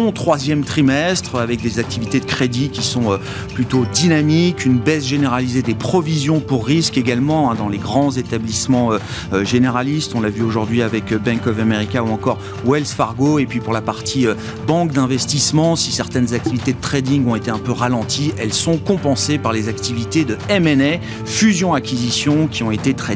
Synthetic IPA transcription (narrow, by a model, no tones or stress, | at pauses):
ɔ̃t̪χwazjɛmt̪χimɛst̪χavɛk̚d̪ezak̚t̪ivit̪ed̪əkχed̪ikʲisɔ̃ø | plyt̪od̪inamikynbɛzʒeneʁalized̪epχɔvizjɔ̃puʁːiskeɡalmɑ̃ɛ̃d̪ɑ̃leɡʁɑ̃zet̪ablismɑ̃ø | øʒeneʁalist̪ɔ̃lavyoʒuʁd̪ɥiavɛkbɛ̃kɔvameʁikʲauɑ̃kɔʁ | wɛlsfaʁɡoepɥipuʁlapaʁt̪ʰiø | bɑ̃k̚d̪ɛ̃vɛst̪ismɑ̃sisɛʁt̪ɛnzak̚t̪ivit̪ed̪ət̪χed̪iŋɡɔ̃et̪eɛ̃pøʁalɑ̃t̪ʰiɛlsɔ̃kɔ̃pɑ̃sepaʁlezakt̪ivit̪ed̪əɛmɛnɛ | fyzjɔ̃akʲizisjɔ̃kʲiɔ̃et̪et̪χe